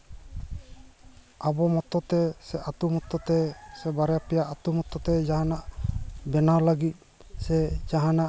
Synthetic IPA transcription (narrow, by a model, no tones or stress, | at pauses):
abɔmɔt̪ɔt̪ɛsɛʔat̪umɔt̪ɔt̪ɛsɛbaɾjapɛjaʔat̪umɔt̪ɔt̪ɛd͡ʒaɦanaʔbɛnaləɡit̪̚ | sɛd͡ʒaɦanaʔ